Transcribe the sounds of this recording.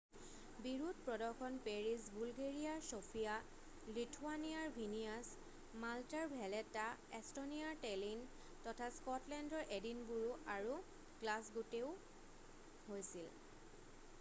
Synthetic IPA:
biɹut̚pɹɔdɔɹxʰɔnpeɹisbulɡeɹijaɹsopʰija | litʰuanijaɹbʱinias | maltaɹbʱɛlɛtːaɛstonijaɹtɛlin | tɔtʰaskɔtlɛndɔɹʔedinbuɹuʔaɹu | ɡlasɡuteʊ | hojsil

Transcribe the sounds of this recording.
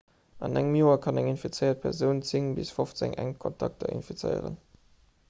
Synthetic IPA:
ʔɑnæŋəmjoːɐkʰɑnæŋinfit͡səɪɐt̚pʰɛʁzəʊnt͡siŋbisfoft͡sɛ̰ŋʔæŋkʰɔntʰɑ̰k̚tʰɐ̰ʔḭnfit͡sə̰ɪə̰ʁə̰n

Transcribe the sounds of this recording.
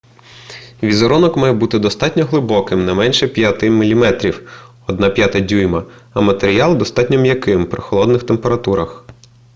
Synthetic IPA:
ʋʲizɔɾɔnɔkmɑjɛbut̪ɪd̪ɔst̪ɑtʲnʲɔɦlˠɪbɔkɪmnɛmɛnʲʃɛpʲjɐt̪ɪmʲilʲimɛt̪ɾʲiw | ɔd̪nɑpʲjat̪ɐdʲujmɐɐmɐt̪eɾʲijɑlˠd̪ɔst̪ɑtʲnʲɔmjɐkɪmpɾɪxɔlˠɔd̪nɪxt̪empeɾɐt̪uɾɐx

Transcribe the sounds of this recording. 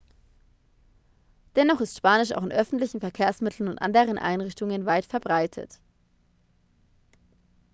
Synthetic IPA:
d̥ɛnɔχɪstʃpaːnɪʃa̰ʊxɪnʔœfn̩tlɪçn̩fɛɐkʰeːɐsmɪtʰl̩n̩ʊntʔa̰ndəʁənʔa̰ɪnʁɪçtʊŋənvaɪtfɛɐbʁaɪtʰə̰t

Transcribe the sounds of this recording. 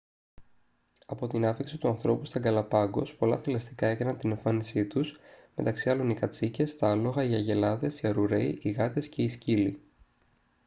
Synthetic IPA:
ɐpo̞t̪inɐfiksit̪uɐnθɾo̞pust̪ɐŋɡɐlɐpɐɡo̞̰spo̞lɐθilɐst̪ikɐe̞kɐnɐnt̪ine̞ɱfɐnisit̪usme̞̰t̪ɐksiɐlo̞nikɐt͡sice̞st̪ɐɐlo̞ɣɐiɐʝe̞lɐðe̞siɐɾuɾe̞iʔiɣɐt̪e̞sce̞iscili

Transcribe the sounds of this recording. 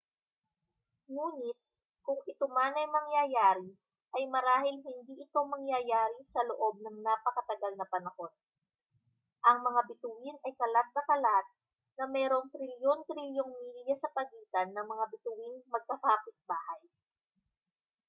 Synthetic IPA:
ŋuːnɪt̪̚ | kʊŋɪt̪ʊmanɐjmɐŋjajaːɾi | ʔɐjmɐɾaːhɪlɦɪnd̪iːʔɪkawmɐŋjajaːɾisɐloʔo̞b̚nɐŋnapɐkɐt̪ɐɡɐlnɐpɐnɐho̞d̪̚ | ʔɐŋmɐŋabɪt̪uwɪnʔɐjkɐlat̪̚nɐkɐlat̪̚ | nɐmɛːɾo̞ŋt̪ɾɪljont̪ɾiljoŋmiljɐsɐpɐɡiːt̪ɐnːɐŋmɐŋabɪt̪uwinmɐɡ̚kɐkaːpɪt̪̚baːhɐj

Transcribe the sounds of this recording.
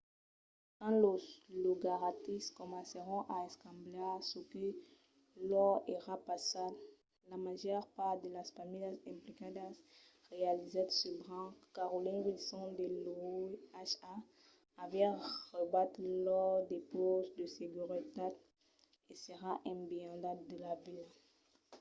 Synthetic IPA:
kɑ̃loloɡaʁat̪iskɔmɑ̃seʁɔ̃ʔaɛskɑ̃mblɛsəkə | lɔʁeʁapasabl | lamaʒœʁpaʁd̪əlasfamijasɛ̃plikad̪asʁealized̪səbʁɑ̃kaʁolĩnɡisɔ̃d̪elouaʃaː | vɛʁəbat̪χlɔʁd̪epozd̪əseɡyʁət̪ad̪ | esəʁaʔɛ̃beɑ̃d̪ad̪əlavila

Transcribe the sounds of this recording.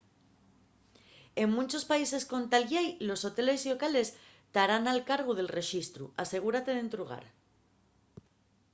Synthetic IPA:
e̞ŋmũnt͡ʃo̞spaise̞sko̞nt̪alʝajlo̞so̞t̪e̞le̞silo̞kale̞s | t̪aɾanalkaɾɣoð̞e̞lre̞ʃist̪ɾṵase̞ɣ̞uɾat̪e̞ðe̞nt̪ɾuɣ̞a̰ɾ

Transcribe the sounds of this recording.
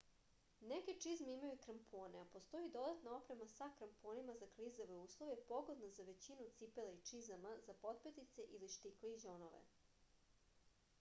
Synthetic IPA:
neke̞t͡ʂizmeimajukɾampʰo̞ːneapo̞st̪o̞id̪o̞d̪at̪nao̞pɾe̞masakɾampo̞ːnimazaklizoʋeuːslˠoʋepo̞ɡod̪nazaʋe̞t͡ɕinut̪sipeleit͡ʂizamazapo̞t̪̚pet̪it̪se̞ʔiliʃt̪ikleiʑonoʋḛ

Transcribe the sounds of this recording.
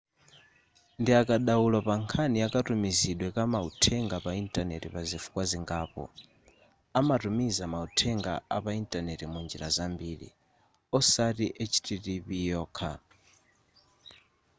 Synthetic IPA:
ndiakaɗawulapaŋkʰaniakatumiziɗwɛkamautʰɛŋɡapaintʼanɛ̰tipazifu̥kwaziŋɡaːpɔ̰ | amatumizamautʰɛŋɡa̰apaintʼanɛtimund͡ʒiɾazambiːɾḭ | ɔsatiʔɛt͡ʃʰi̥tʰitipijɔːkʰa

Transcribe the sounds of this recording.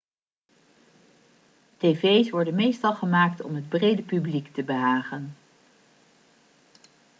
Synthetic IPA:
tejvejsʋɔɹdənmejstɑlˠχəmaːk̚tɔ̰mɦəd̚brejdəpybliktəbəɦaːχən

